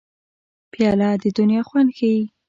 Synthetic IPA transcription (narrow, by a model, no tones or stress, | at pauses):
pjɑlɑd̪əd̪ʊnjɑxwand̪xawi